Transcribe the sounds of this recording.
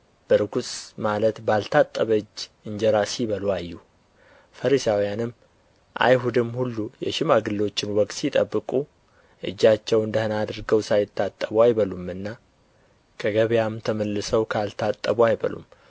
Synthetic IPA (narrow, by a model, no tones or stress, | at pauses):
b̥əɾɨɡusʼmalət̪balt̪ʰat̪ʼːəβəɨd͡ʒːɨɲd͡ʒɛɾasiβəlwajːu | fəɾisawjanɨm | ʔa̰jɦud̪ɨmhulːujɛ̰ʃɪmaɡɨlːo̞t͡ʃːɪnwɔkʼt̪sit̪ʼəbːɨkʼu | ʔɨ̰d͡ʒːat͡ʃːɛwɨnd̪əhɨnad̪ɨɾɡəwsajɪt̪ʰːat̪ʼːəβwajbəlumɨnːa | kʰəɡəβjamt̪ʰəməlːɨsəwkʰalt̪ʰat̪ʼːəβuajbə̰lṵm